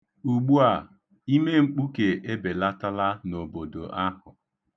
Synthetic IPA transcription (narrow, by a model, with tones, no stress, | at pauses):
u˨ɡ͡bu˦a˨ | i˦me˦ŋ͡m̩˦k͡pu˦ke˨ʔe˦be˨la˦ta˦la˦no˨bo˨do̰˨ʔa˦hʊ˨